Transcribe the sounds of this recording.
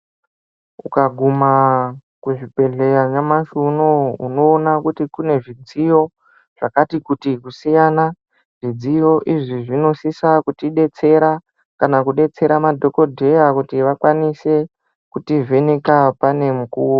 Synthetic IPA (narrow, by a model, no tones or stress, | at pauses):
ukaɡʱuma | kuʐipe̞ɮe̞jaɲamaʃuno̞ṵno̞ːnakutikune̞ʐid͡zijo̞ | ʐ̥akatikutikusijana | ʐ̥id͡zijo̞ʔiʐiʐino̞sisakutiɗe̞t͡se̞ɾa | kanakuɗe̞t͡se̞ɾamadʱo̞ko̞dʱe̞jakutiʋakwanise̞ | kutivʱe̞nekapane̞mukuːwo